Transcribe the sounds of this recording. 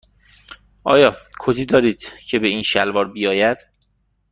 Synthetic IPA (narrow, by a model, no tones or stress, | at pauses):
ʔɒ̰ːjɒːkʰot̪ʰiːd̪ɒːɾiːd̪̥cʰe̞be̞iːnʃælvɒːɾbijɒːjæd̪̥